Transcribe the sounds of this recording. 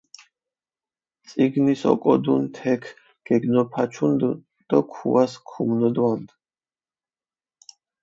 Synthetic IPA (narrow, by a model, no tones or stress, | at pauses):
t̪sʼiɡnisɔ̰kʼɔd̪unt̪ʰɛkʰ | ɡ̥ɛɡnɔpʰat͡ʃʰund̪ | d̪̥ɔkʰṵaskʰumnɔd̪wand̪